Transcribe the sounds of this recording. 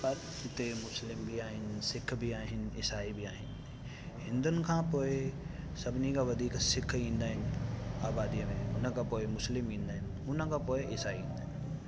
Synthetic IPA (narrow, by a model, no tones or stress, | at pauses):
pɐɾ | ɪt̪emʊslɪmbʱiaːɦɪnsɪkʰːbʱiaːɦɪnɪ̰saːibʱiaːɦɪn | ɦɪ̃nd̪ʊnkʰãpoːe | sɐbnikaʋɐd̪ʱiːksɪkʰːĩnd̪aːɪnaːbaːd̪ijamẽʊnãkapoːemʊslɪmĩnd̪aːɦɪm | ʊnãkapoːeʔɪsaːiĩnd̪a